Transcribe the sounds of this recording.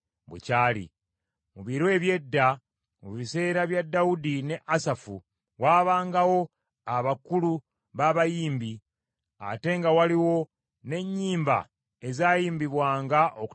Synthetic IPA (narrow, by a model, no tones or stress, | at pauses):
βwḛcaːlḭ | muβiɾoe̞βje̞dːa | muβise̞ːɾaβjadːawudine̞ʔasafu | waːβaːŋɡawo̞ | aβakulu | βaβajiːmbi | a̰te̞ŋɡawaliwo̞ | ne̞ɲːiːmba̰ | e̞zaːjiːmbiβwaːŋɡaʔok